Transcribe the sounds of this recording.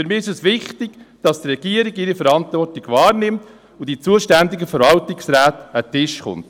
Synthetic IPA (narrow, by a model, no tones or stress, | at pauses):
fyɾmiːɪʃɛsʋɪχtɪɡd̥ɑst̪rɛɡ̥iəɾɪɡɪɾifəɾɑnt̪vɔrtɪɡvɑːrnɪmt | ʊd̥it͡suəʃtændɪɡəfəɾvɑltɪksɾæːtətɪʃχʊ̰nt